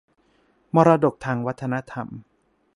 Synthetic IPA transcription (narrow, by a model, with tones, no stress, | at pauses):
mɔː˧ɾaː˧do˨˩k̚t̪ʰaː˧ŋwa˦˥t̪ʰːa˧na˦˥t̪ʰa̰˧m